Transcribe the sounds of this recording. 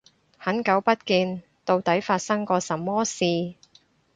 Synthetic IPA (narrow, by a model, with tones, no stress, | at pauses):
hɐ˨˥nkɐ˨˥wpɐ˥t̚kiː˧n | t̪o˧wt̪ɐ˨˥jfaː˧t̚sɐ˥ŋkɔː˧sɐ˨mːɔː˥siː˨˧